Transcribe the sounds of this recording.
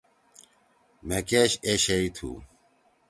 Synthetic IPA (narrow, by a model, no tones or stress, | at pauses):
mekeɕeɕeit̪ʰṵ